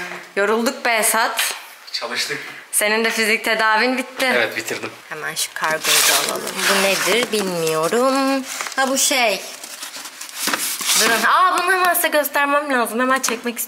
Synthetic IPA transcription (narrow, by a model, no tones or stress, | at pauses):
jo̞ɾulˠd̪uk̚bɛshat̪ | t͡ʃʰalˠɯʃt̪ˠɯkse̞nind̪ɛfizic̚t̪ʰe̞d̪aːvinbit̪ʰːɪevɛt̪bit̪ʰiɾd̪imhɛmænʃi̥kʰːaɾɡojd̪aa̰lˠa̰lˠɯ̰mbuned̪iɾbilʲmijo̞ɾumhabuʃej | d̪ɯɾɯnaːbunamast̪aɟø̞st̪æɾmæmlʲaːzumhemænt͡ʃʰɛc̚mɛcist̪